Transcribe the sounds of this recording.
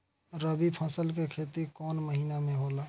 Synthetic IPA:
ɾəbipʰəsəlk̬ekʰet̪ikɔnməɦinamẽɦola

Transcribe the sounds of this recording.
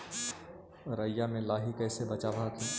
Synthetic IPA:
ɾəjamẽlaːɦikɛːsebɐt͡ʃaːʋakiː

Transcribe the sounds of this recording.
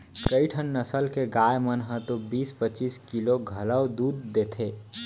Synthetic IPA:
kəiʈʰənːəsəlkeɡajmənɦə̃t̪obiːspət͡ʃiskiloɡʱələwd̪ud̪̚ːet̪ʰe

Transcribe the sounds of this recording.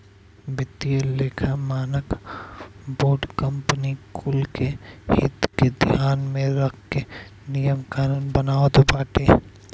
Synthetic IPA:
bɪt̪ːijeleːkʰamaːnək | boːɖkəmpnikʰʊlkehɪ̰t̪ked̪ʱjaːnmẽɾɐkʰkenijəmkaːnənbɐnaːot̪obaːʈeː

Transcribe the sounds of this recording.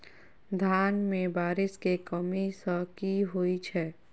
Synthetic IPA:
d̪ʱaːnmẽbaːɾɪskekəmisəkiɦoit͡ʃʰɛː

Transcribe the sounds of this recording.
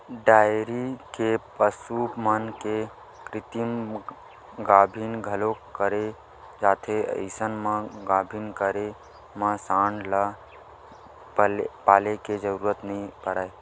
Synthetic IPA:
ɖaːjɾikepəsuːpmənke | kɾɪt̪im | ɡaːbʱinɡʱəlokəɾe | d͡ʒaːt̪ʰeə̰ɪsənmãɡaːbʱinkəɾe | mãsãːɳɖla | paːleked͡ʒəɾuːɾət̪nəĩpəɾaːe

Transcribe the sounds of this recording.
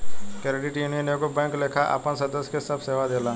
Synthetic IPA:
kɛːɾɪɖɪʈjuːnijənjõkobɛ̃ːŋkleːkʰaʔɐ̰pənsɐd̪əskesɐbseːʋad̪eːlaː

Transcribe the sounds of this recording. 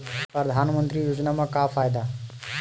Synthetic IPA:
pɾəd̪ʱanmənt̪ɾijod͡ʒnamakapʰajd̪a

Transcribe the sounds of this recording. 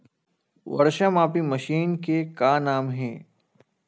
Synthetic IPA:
ʋɐ̰ɾʃəmaːpimɐʃiːnkekanaːmɦɛ̃ː

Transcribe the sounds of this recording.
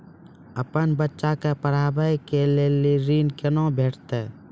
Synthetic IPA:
əpənbətːʃakepəɾaːbəjkeleːleɾiːnkənõbʱeːʈʰt̪e

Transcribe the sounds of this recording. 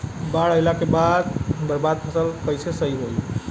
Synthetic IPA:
baɽəɪlakebad̪b̪əɾbad̪̚pʰəsəlkəjsesəiɦoj

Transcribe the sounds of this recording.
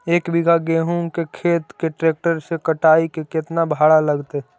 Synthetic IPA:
eːkbɪɡʱaɡeːɦũŋkekʰeːt̪keʈɾeːk̚ʈəɾsekəʈaːikekɪt̪nabʱaːɽalɐɡt̪e

